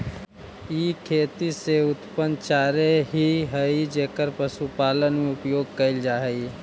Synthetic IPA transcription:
iːkʰeːt̪iseʊt̪pənt͡ʃaːɾeɦiɦəid͡ʒekəɾpəsupaːlənmẽʊpjoːɡ̚kəɪld͡ʒaːɦəi

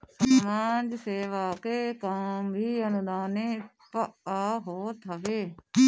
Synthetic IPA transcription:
maːnd͡ʒseːʋaːkeːkambʱiːənʊd̪aːneː | pəaːɦoːt̪ʰəʋeː

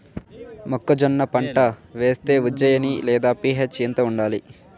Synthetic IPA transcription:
mɔkːɐd͡ʒɔnːɐpɐɳʈɐʋeːst̪e̞ːud͡ʒɐjɐnilɛːd̪aːpiːɦet͡ʃint̪ɐuɳɖaːli

